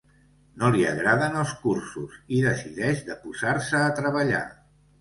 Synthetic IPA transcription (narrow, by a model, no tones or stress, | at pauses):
noliə̰ɣɾaðənəlˠskursuziðəsiðɛʒðəpuzaɾsəːt̪ɾəβəʎa̰